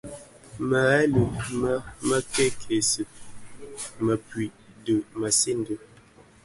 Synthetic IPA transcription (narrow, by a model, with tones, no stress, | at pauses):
mə˨ɛ˦lə˨mə˦mə˦ke˦kʰe˨sɨ˨ | mə˨pɥi˨ʔdə˨mə˨se˦n˦də˨